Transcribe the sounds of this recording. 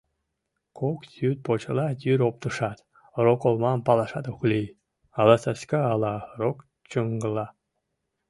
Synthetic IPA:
kʰokt̪yt̪̚pot͡ɕəlɑt̪yɾop̚t̪əʃɑt̪ | rokolmɑmpɑlɑʃɑt̪oxlʲi | ɑlˠɑsɑskɑːlɑɾok | t͡ɕəŋɡəlɑ

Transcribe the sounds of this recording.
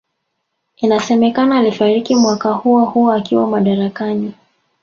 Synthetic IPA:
inasɛmɛkanaːlifaɾikimwakahuɔhuɔakiwamaɗaɾakani

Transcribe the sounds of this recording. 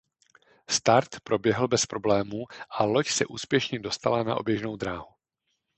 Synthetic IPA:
st̪aɾt̪pɾo̞bjɛɦl̩bɛspɾo̞blɛːmuːʔalo̞csɛʔuːspjɛʃɲɛdo̞st̪alana̰ʔo̞̰bjɛʒno̞wd̪ɾaːɦu

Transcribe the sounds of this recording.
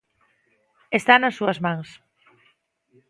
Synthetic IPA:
est̪anasːuazmãŋs

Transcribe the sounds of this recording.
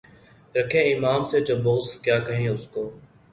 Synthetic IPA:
ɾəkʰẽːɪmaːmseːd͡ʒoːbʊɦskjaːkəɦẽːʊskoː

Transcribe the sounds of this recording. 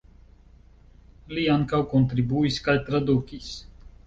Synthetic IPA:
liaŋkawkont̪ɾibuiskajt̪ɾad̪ukis

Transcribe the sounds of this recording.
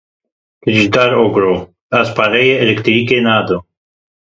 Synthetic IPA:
t̪ɾid͡ʒit̪aɾoɡɾo | aspaɾejeelekt̪ɾikenad̪o

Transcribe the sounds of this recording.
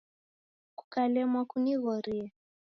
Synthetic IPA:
ku̥kalɛmwakuniɣɔɾiɛ

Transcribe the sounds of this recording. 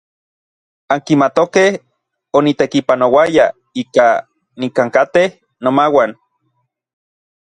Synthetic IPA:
aŋkimat̪okeh | onit̪ekipanowaja | ika | nikaŋkat̪eh | nomawan

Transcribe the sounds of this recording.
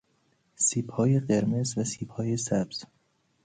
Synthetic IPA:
siːbhɒːje̞ɢeɾmezvæsiːbhɒːje̞sæbz̥

